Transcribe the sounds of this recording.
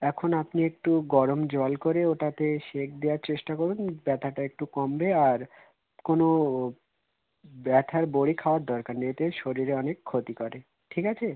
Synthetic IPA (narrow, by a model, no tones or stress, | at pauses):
ɛkʰonapniek̚ʈuɡɔɾomd͡ʑɔlkoɾeoʈat̪eʃek̚ʰd̪eaɾt͡ɕeʃʈakoɾunbɛt̪ʰaʈaek̚ʈukɔmbeaɾ | kono | bɛt̪ʰaɾboɽikʰaoaɾd̪ɔɾkaɾnet̪eʃoɾiɾeɔnekʰːot̪ikɔɾe | ʈʰikat͡ɕʰe